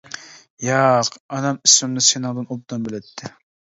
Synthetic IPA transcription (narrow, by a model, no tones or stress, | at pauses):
jɑqɑnɑmismɪmnɨsenɨŋd̪ɨnob̚d̪ɑmbɪlɛt̪ʰːɪ